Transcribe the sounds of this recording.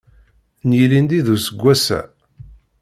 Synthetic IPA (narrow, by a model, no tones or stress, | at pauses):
njilind̪iðusəɡʷːæsæ̰